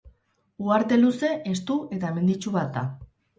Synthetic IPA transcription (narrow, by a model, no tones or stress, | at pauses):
uaɾt̪e̞luse̞ʔest̪uʔe̞t̪aeme̞nd̪it͡ʃuβat̪̚d̪a̰